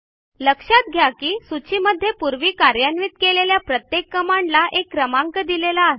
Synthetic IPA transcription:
ləkʂat̪̚ɡʱjakiːsut͡ɕiməd̪ʱːjepuɾʋiːkaɾjanʋiːt̪keleljapɾət̪jekːəmaɳlaʔekːɾəmaŋkəd̪ilelaː

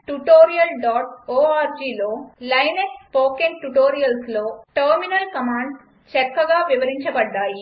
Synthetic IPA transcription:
ʈuʈoːɾijɐlɖaːʈoːaːɾd͡ʒiːloːlɐjnekspoːkeŋʈuʈoːɾijɐlsloːʈɐːɾminɐlkɐmaːɳɖ | t͡ʃɛkːɐɡaːʋiʋɐɾiɲt͡ʃɐbɐɖːaːji

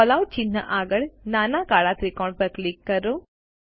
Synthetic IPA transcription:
ɔlaw̚t͡ʃinːə̰ʔaːɡəɭnaːnakaːɭat̪ɾikɔːɳpəɾklikːəɾo

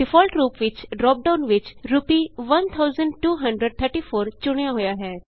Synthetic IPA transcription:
ɖɪfʰɔːlʈɾuːpʋɪt͡ʃɖɾɔːp̚ɖaːʊnʋɪt͡ʃɾʊpiʋɐnt̪ʰaʊzəɳɖʈuːɦɐ̃ɳɖɾəɖ̚t̪ʰəɾʈifʰoːɾt͡ʃʊɽ̃jaɦʊjaɦɛː

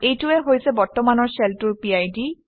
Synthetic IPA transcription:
ejtuɛɦojsɛbɔɹtɔmanɔɹseltuɹpiajdi

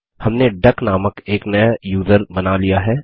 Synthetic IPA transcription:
hɐmneɖɐknaːməkeːknɐjajuːzəɾbɐnalijaɦɛː

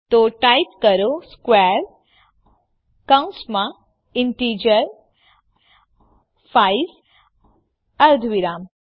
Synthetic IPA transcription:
t̪oʈajpkəɾoskwɛːɾ | kaw̃nsmã | ɪɳʈiːd͡ʒəɾ | fʰaiz | əɾd̪ʱʋiɾaːm

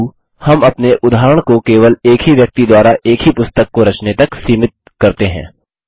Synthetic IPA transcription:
hɐmɐpneʔʊd̪aːɾəɽ̃kokeːʋəleːkɦiʋjɐk̚t̪id̪waːɾaʔeːkɦipʊst̪əkːoɾɐt͡ʃnet̪ɐksiːmɪt̪̚kɐɾt̪eɦɛ̰̃ː

